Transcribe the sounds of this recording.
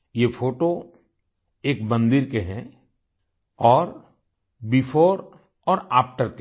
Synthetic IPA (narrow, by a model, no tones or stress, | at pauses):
jefʰoːʈo | eːk̚bə̃nd̪iːɾkeɦɛ̃ | ɔːɾ | bifʰoːɾ | ɔːɾaːpʈəɾke